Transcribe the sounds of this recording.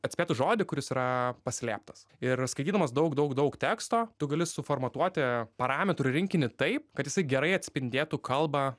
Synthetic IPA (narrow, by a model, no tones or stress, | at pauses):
ɐt̪ʲsʲeːt̪ʊʒoːd̪ʲɪkʊɾʲɪsiːɾɐpɐsʲlʲæːp̚t̪ɐsɪɾskɐɪt̪ʲiːd̪ɐmɐsd̪ɐʊkd̪ʊkd̪ɐʊkt̪ʲæːkst̪oːt̪ʊɡɐlʲɪsʊfoːrmɐt̪uɔt̪ʲɪpɐɾɑːmʲɛt̪ɾʊɾʲɪŋʲkʲɪnʲɪt̪ɐɪp̚kɐt̪jʲɪsɐɪɡʲɛɾɐɪɐt̪ʲsʲpʲɪnʲd̪ʲeːt̪ʊkʰɐlˠbɑ